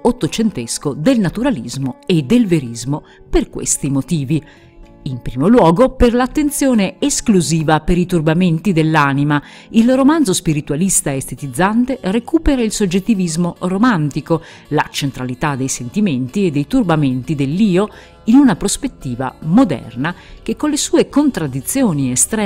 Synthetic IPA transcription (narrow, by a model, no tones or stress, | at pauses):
ot̪ːot͡ʃent̪eskod̪elnat̪uɾalizmoed̪ːelveɾizmo | perkwḛst̪imot̪iːvi | impɾiːmolwɔːɡoperlat̪ːent̪sjoːneeskluziːvapeɾit̪urbament̪id̪elːanima | ilromand̪zospiɾit̪ualist̪aeest̪et̪id̪zːant̪erekuːpeɾailsod͡ʒːet̪ːivizmoromant̪iko | la̰t͡ʃent̪ɾalit̪ad̪ːejsent̪iment̪ied̪ːejt̪urbament̪id̪elːiːo | inunapɾospet̪ːiːva̰mod̪ɛ̰rnak̟ekːonlesuːekont̪ɾad̪ːit̪sːjoːniest̪ɾɛ